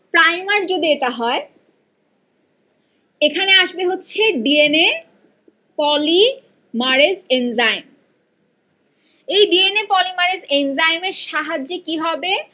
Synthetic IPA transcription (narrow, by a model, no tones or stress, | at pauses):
pɾajmaɾd͡ʑod̪ieʈaɦɔe | ekʰaneaʃbeɦotːɕʰeɖiene | pɔli | maɾesenzajm | ejɖienepɔlimaɾesenzajmeɾʃaɦad͡ʑekiɦɔbe